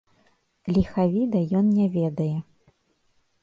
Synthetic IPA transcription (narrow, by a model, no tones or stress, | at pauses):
lʲixavʲid̪ɐjɔnnʲɛvʲɛd̪ɐjɛ